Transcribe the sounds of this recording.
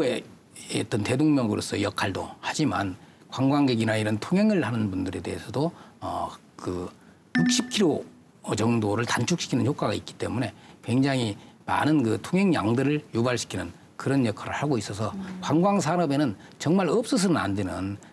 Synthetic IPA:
e | t͈ʌnte̞doŋmjʌŋɡɯɾo̰s͈ʌjʌkʰaɭdohad͡ʑima̰n | kwaŋɡwaŋɡeɡinaiɾʌntʰoŋɦeŋɯɭhanɯnbundɯɾe̞de̞̰esʰʌdoʌ̰ | kɯ | juk̚ɕ͈ʰip̚kʰiɾo | t͡ɕʌŋdoɾɯɭtant͡ɕʰukɕ͈ʰi̥kʰinɯnhʰjok͈aɡait̚k͈i̥t͈e̞̰mune̞kwe̞ŋd͡ʑaŋɦima̰nɯnkɯtʰoŋɦeŋja̰ŋdɯɾɯɭjubaɭɕʰi̥kʰinɯn | kɯɾʌnjʌkʰaɾɯ̰ɭhaɡois͈ʌs̬ʰʌkwaŋɡwaŋs̬ʰaɾʌbe̞nɯnt͡ɕʌŋmaɾʌp̚s͈ɯs̬ʰɯnɯna̰ndwenɯn

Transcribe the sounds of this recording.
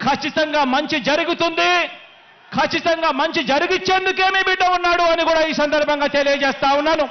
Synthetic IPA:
kʰɐt͡ʃːit̪ɐŋɡaːmɐɲt͡ʃid͡ʒɐɾuɡut̪und̪i | kʰɐt͡ʃːit̪ɐŋɡaːmɐɲt͡ʃid͡ʒɐɾuɡit͡ʃːe̞ːnd̪uk̬e̞ːmibiɖːɐunːaːɽuɐnikuːɽaːiːsɐnd̪ɐɾbʱɐŋɡaːt̪elijɐd͡ʒeːst̪aːwunːaːnu

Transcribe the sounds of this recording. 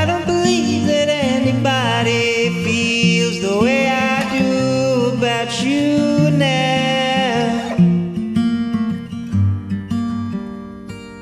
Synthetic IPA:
aɾõʊ̃n̚bɨlivðɨɾɛniba | ɾi | filˠzðəweɪaɪduəbaʊt͡ʃuna

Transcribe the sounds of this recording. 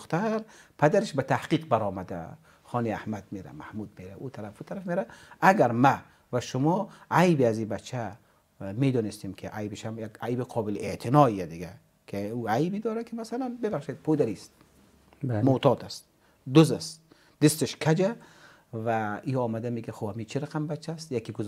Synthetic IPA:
xt̪aɾpʰad̪aɾeʃbat̪ʰahqiqbaɾɔːmad̪a̰ | χɔːnia̰hmad̪meɾa̰ma̰hmud̪̚meɾaut̪ʰaɾafut̪ʰaɾafmeɾaaɡaɾma | vaʃʊmɔajbiazibat͡ʃʰːa | med̪ɔːnist̪imkʰiʔajbeʃamjaɡajbiqʰɔːbɪlʔet̪ʰinɔijad̪iɡa | kʰiuajbid̪ɔːɾakʰimasalanbebaχʃed̪̚pʰod̪aɾist̪ | mot̪ʰɔːt̪ʰast̪ | d̪ʊzast̪ | d̪̥ɪst̪eʃkʰad͡ʒa | vaiɔːmad̪ameɡaχohamit͡ʃʰiɾaqʰambat͡ʃʰːast̪jakiɡʊz

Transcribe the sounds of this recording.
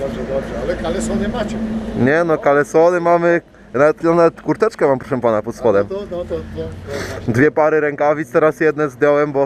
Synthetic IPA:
d̪ɔbʐɛd̪ɔbʐɛalɛkalɛsɔnɛmat͡ɕɛɲɛnɔkalɛsɔnɛmamɘ | navɛt̪ɔnavɛt̪kuɾt̪ɛt͡ʂkɛmampɾɔʂɛmpanapɔt̪sxɔd̪ɛm | d̪vʲjɛpaɾɘɾɛŋkavʲist̪ɛɾasjɛd̪nɛzd̪ʲjɔwɛmbɔ

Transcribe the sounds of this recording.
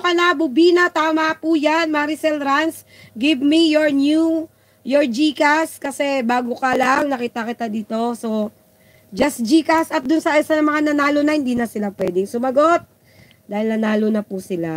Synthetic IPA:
kɐnɐbʊbiːnɐt̪aːmapujanmaɾisɛlɾans | ɡɪvmijoɹnju | joɹd͡ʒiːkaskɐsɛbaːɡokɐlaŋnɐkiːt̪ɐkɪt̪ad̪iːt̪o̞so | d͡ʒɐsd͡ʒiːkɐsɐt̪̚d̪ʊnsɐʔɛsɐnɐŋmɐŋanɐnaːlonɐhɪnd̪iːnɐsɪlapwɛːd̪ɪŋsʊmɐɡo̞t̪̚ | d̪aːhɪlnɐnaːlonɐpusɪla

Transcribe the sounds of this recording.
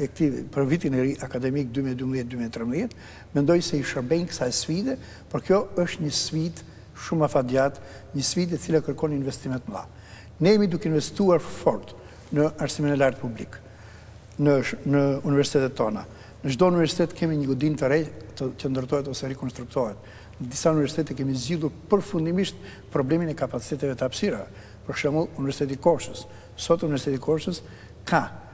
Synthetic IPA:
ɛk̚t̪ipəɾvit̪inɛɾiʔakad̪ɛmik̚d̪ymiɛd̪ymbðɛt̪̚d̪ymiɛt̪ɾɛmbðjɛt̪ | mɛnd̪ɔjsɛiʃəɾbɛnkə̥saɛsfid̪ɛ | pɔɾkjɔəʃt̪ɲəsfid̪ | ʃumafad̪jat̪ɲəsfid̪ɛt̪t͡silakəɾkɔninvɛst̪imɛt̪mða̰ | nɛɛmid̪ukɛinvɛst̪uaɾfɔɾt̪ | nəaɾsiminɛlaɾt̪̚publik | nənəunivɛɾsi̥t̪ɛt̪ɛt̪ːɔna | nəd͡ʒd̪ɔunivɛɾsi̥t̪ɛt̪kʰɛmiɲəɡɔd̪int̪əɾɛt̪əcənd̪əɾt̪ɔɦɛt̪ɔsɛrɛkɔnst̪ɾuk̚t̪ɔɦɛt̪ | əd̪isaunivɛɾsi̥t̪ɛt̪ɛkɛmizɟilˠuɾpəɾfund̪imiʃt̪̚ | pɾɔblɛminɛkapat͡si̥t̪ɛt̪ɛvɛt̪əafsiɾavɛ | pəɾʃɛmulˠunivɛɾsit̪ɛt̪ikɔɾsəs | sɔt̪univɛsit̪ɛt̪ikʰɔɾsəs | kʰa

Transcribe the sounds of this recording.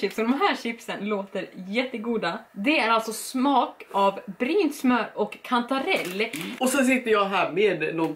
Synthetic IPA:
ɪpsɔd̪ɔmɦæːɾɕɪpsənloːt̪əɾjɛt̪ːəɡuːd̪ad̪ɛæɾalt̪sɔsmɑːkavbɾiːnt̪smœɾɔkʰːant̪aɾɛlːɔsɛns̬ɪt̪ːəɾjɑːɦæːɾmeːd̪nɔn

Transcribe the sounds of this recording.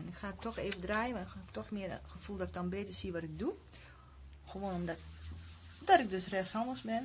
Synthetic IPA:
ɛnɪkxaːətʰɔxeːvədrajəmakp̚tɔxmɪərxəfulˠdɔtɪk̚dɔnbeːtərsiəʋɔtɪk̚du | xəʋoːnɔm | dɔtɪk̚døsrɛsɔnəlˠsbɪn

